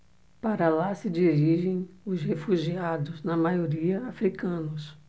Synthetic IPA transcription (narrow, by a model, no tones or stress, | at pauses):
paɾɐlasɪd͡ʒiɾiʒẽj̃ʊzhefuʒiad̪ʊznɐmajoɾiɐafɾikɐ̃nʊs